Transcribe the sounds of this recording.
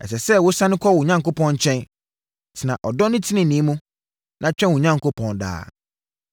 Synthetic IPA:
ɛ̰˨s̬ɛ˨sɛ˦wo˦sã˦nʊ̃˦kʰɔ˦wʊ˨ɲã˦ŋko˦pʰɔ̃˦nɲ˦t͡ɕʰɛ̃˦n | tʰɪ˨nã˨ʔɔ˨dɔ˦nɪ̃˦tʰɪ˦nɪ̃˨nĩ˨˦mũ˦ | nʔã˨t͡ɕᶣɛ̃˦wʊ˨ɲã˦ŋ˨ko˦pʰɔ̃˦nda̰ː˨˦

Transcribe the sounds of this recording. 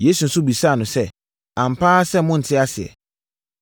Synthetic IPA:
jeː˦su˨n̩˦sʊ˦bi˨sa˦˨nʊ̃˨sɛ˦ | ã˨m̩˨pʰaː˦sɛ˦mʊ̃˦n̩˨tʰɪ˦a˦sɪ˨ɛ̰˨

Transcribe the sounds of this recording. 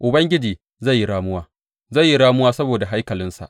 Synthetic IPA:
ʔʊ˨bɐ˦ŋɡʲɪ˦d͡ʒiː˨ | za˦˨jːi˦ɽaː˦mʊ˦waː˦ | zɐ˦˨jːi˦ɽaː˦mʊ˦waː˦sɐ˦boː˨da˨ɦa˦jkɐ˨lɪ˦nsa̰˨ʔ

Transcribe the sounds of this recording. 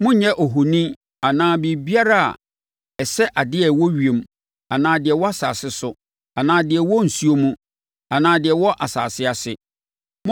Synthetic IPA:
mʊ̃˦ɲɛ̃˦ʔɔ˨ɦo˨nĩ˦ | a˨nãː˨˦bi˨bi˦a˦ɾa˦a̰˨ | ɛ˨sɛ˦ʔa˨dɪ˦ɛ˨wɔ˦ɥi˨e˨m | a˨nãː˨˦dɪ˨ɛ˨wɔ˦a˦sa̰ː˨sɪ˦sʊ˨ | a˨nãː˨˦dɪ˨ɛ˨wɔ˦n̩˨su˦o˦mũ˦ | a˨nãː˨dɪ˨ɛ˨wɔ˦ʔa˨sa̰ː˨sɪ˦a˨sɪ˦ | m̃˦

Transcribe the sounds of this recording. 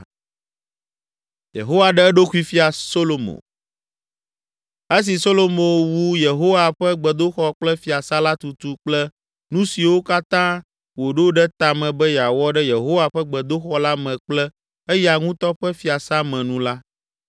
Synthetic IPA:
jḛ˨ɦo˦wa˨ɖɛ˦ɛ˦ɖo˦xu˦i˦fi˦a˨so˦lo˨mo̰˨ | e˦s̬i˨so˦lo˦mõ˨wu˦je˨ɦo˦wa˨ɸɛ˦ɡ͡bɛ˨d̪o˦xɔ˦k͡plɛ˦fi˨a˨sa˦la˦t̪u˨t̪u˦k͡plɛ˦ | nũ˦si˨wo˦ka˦t̪ã˦ | wo˨ɖe˦o˦ɖɛ˦t̪a˨mɛ̃˨bɛ˦ja˨wɔ˦ɖɛ˦je˨ɦo˦wa˦ɸɛ˦ɡ͡bɛ˨d̪o˦xɔ˦la˦mɛ̃˨k͡plɛ˦ | ɛ˦ja˨ŋũ˦t̪ɔ˦ɸɛ˦fi˦a˨sa˦mɛ̃˨nũ˦la˦

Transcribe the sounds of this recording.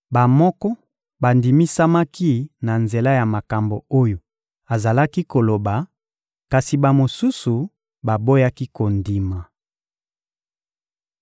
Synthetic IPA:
ba˨mɔ˦kɔ˦ | ba˨ndi˨mi˦sa˦ma˦ki˦na˨nze˨la˦ja˨ma˨ka˨mbo˨o˦jo˨ | a˨za˨la˦ki˦ko˨lo˨ba˨ | ka˨si˨ba˨mo˨su˦su˨ | ba˨bo˦ja˦ki˦ko˨ndi˨ma˨

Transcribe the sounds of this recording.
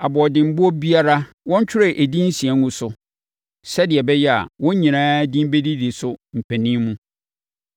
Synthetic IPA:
a˨bɔ˨ɔ˨dɪ̃˨m̩˦bʊ˦ɔ˦bi˦a˦ɾa˦ | wɔ̃˦ɲ˦t͡ɕʰᶣɪ˦ɾɛ˨ʔe˨dĩ˦n̩˦si˨ɛ˦ŋũ˦sʊ˨ | sɛ˦dɪ˨ɛ˨bɛ˦jɛ˦a̰˨wɔ̃˦ɲĩ˨nãː˦dĩ˦m˦be˦di˦di˨sʊ˦m̩˨pʰæ˨nĩ˦mũ˦

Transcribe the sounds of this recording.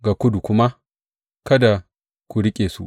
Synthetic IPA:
ɡa˨kʷʊ˦du˨kʷʊ˦ma˦ | kɐ˦da˨ | kʷu˨ɽɪ˦kʲʼeː˨su˦ʔ

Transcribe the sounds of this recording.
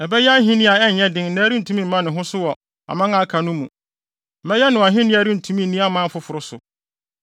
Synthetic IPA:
ɛ˨bɛ˦jɛ˦a˦ɦĩ˦nĩ˦a˨ɛ˦ɲ̩˨ɲɛ̃˦dɪ̃˦ŋ˨˦nã˦ɾĩ˦n̩˨tʰũ˦mĩ˦m̩˦mã˦nɪ̃˨ɦʊ̃˦sʊ˦wɔ˨ | a̰˨mã˦ŋã˦kʰa˨nʊ̃˦mũ˨ | m̩˨mɛ̃˦jɛ˦nʊ̃˨wã˨ɦɪ̃˦nɪ̃˦a˨˦ɾĩ˦n̩˨tʰũ˦mĩ˦˨nĩ˦a˦mã˦fʊ˨˦fʊ˨ɾʊ˦sʊ̰˨

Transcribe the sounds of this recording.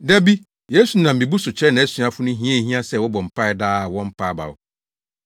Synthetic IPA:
dɛ˦bi˦ | je˦su˨nã˨m̩˨mĩ˨bu˦sʊ˨t͡ɕʰɛ˦nã˨æ˦sɥa˨fʊ˦nʊ̃˦ɦĩ˦ɛ̃˦˨ɦĩ˦a˦sɛ˦˨wɔ˦bɔ˨m̩˨pʰa˦ɪ˦daː˦˨wɔ̃˦m̩˦pʰa˦ba̰˨ʊ̰˨

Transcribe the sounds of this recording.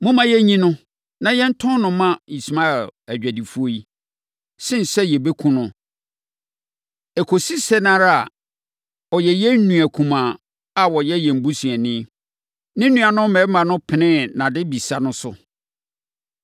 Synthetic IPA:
mʊ̃˦mã˦jɛ˦ɲĩ˦nʊ̃˦ | nã˨jɛ˦n̩˦tʰʊ̃˦nʊ̃˨mã˦i˨sma˦ɛ˨læ˨d͡ʑᶣæ˨di˨fu˦o˦i˦ | sɪ̃˦n˨sɛ˦jɛ˨be˦kʰũ˦nʊ̃˦ | ɛ˨kʰo˨si˦sɛ˦nãː˦ɾa˦a˨ | ɔ˨jɛ˨jɛ˦n̩˦nũ˨æ˨kʰũ˨mã˨ | a˨wɔ˨jɛ˦jɛ̃˨m̩˨bu˦sĩ˨ɛ˨nɪ̃˦ | nɪ̃˦nũ˨˦a˨nʊ̃˦mɛ̃˨˦mã˨nʊ̃˦pʰɪ˨nɪ̃˦nã˨dɪ˦bi˨sa˦nʊ̃˦sʊ̰˨

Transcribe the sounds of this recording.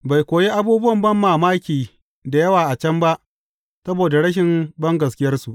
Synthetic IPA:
ba˨jkʷoː˨je˦ʔa˦buː˦bʊ˦wɐ˨mbɐ˦˨mːaː˨maː˦kʲiː˨ | da˨jɐ˦waː˨ʔa˨t͡ʃɐ˦mba˦ʔ | sɐ˦boː˨da˨ɽɐ˦ʃ̬ɪ˨mbɐ˦ŋɡɐ˨s̬kʲɪ˦jɐ˦rsu˨ʔ

